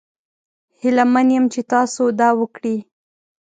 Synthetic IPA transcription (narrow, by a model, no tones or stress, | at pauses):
hɪlamanjəmt͡ʃet̪ɑsod̪ɑwəkɽi